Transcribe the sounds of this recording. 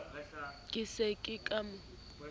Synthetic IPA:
kʼɪsekʼɪkʼam

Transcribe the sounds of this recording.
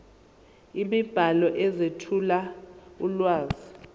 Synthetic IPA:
imib̥ʱalɔʔɛzetʰulaulwaːzi

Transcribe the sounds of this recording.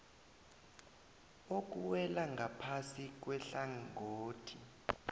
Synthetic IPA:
ok̬ʼuwɛlaŋʱapʰasik̬wɛɬaŋoːtʰi

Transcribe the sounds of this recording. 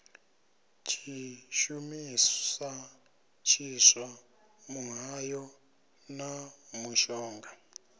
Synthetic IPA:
t͡ʃʰiʃumia | t͡ʃʰiʂwa | muɦajɔ | namuʃɔːŋɡa

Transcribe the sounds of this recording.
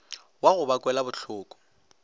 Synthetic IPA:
waɣʊbakʼwɛlabʊɬʰʊːkʼɔ̥

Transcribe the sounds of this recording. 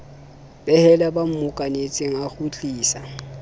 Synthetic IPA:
bɛhɛlabam̩mʊkʼanet͡sʼɪŋ̩aχut͡ɬʼiːsa

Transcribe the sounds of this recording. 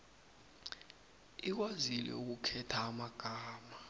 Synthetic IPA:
ik̬wazilɛ̰uk̬ukʰɛtʰaːmaɡ̥ʱaːma

